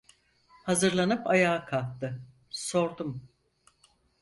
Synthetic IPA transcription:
hazɯɾlˠanɯpajaːkʰalˠt̪ːɯ | so̞ɾd̪um

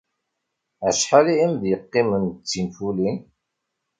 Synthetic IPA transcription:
əʃħaliimðjəqːɪmənt͡sːimfulin

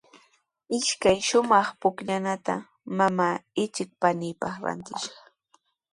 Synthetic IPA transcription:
ɪʃkajʃʊmɑχpʊkʎanat̪a̰ | mamaːɪt͡ʃɪk̚panɪjpɑχɾa̰nt̪ɪʃɑ̥χ

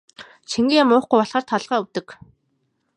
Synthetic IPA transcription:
t͡ɕʰiŋɡʲiːjamʊːχɡujɔɮʁaːr̥t̪ʰaɮʁaːuwt̪ɘ̆k

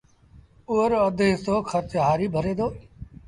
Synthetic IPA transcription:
uːəɾəd̪ʱɦɪst̪oːkʰəɾt̪ɦaːɾiːbʱəɾeːd̪oː

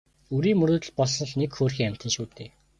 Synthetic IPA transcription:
uɾiːŋmɵɾoːt̪ɘ̆ɮpɔɮsɞ̆ɮnekxoːrxʲiːŋam̥ʲt̪ə̆nʃuːt̪eː

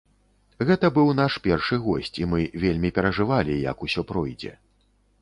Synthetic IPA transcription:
ɣɛt̪ɐbɨwn̪aʂpʲɛrʂɨɣɔsʲt͡sʲimɨvʲelʲmʲipʲɛɾɐʐɨvalʲijɐ̰kusʲɔpɾɔjd͡zʲɛ̰

